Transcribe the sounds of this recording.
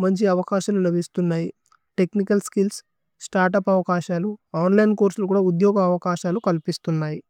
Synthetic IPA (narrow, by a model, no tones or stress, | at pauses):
mɐɲt͡ʃiɐʋɐkaːʃɐlulɐbʱist̪unːaːji | ʈe̞knikɐlskils | sʈaːɾʈ̬ɐpɐʋɐkaːʃaːluaːnlɐjnkoːɾsulɐk̬uːɽaːud̪jɔːɡɐːʋɐkaːʃaːlukɐlpist̪unːaːji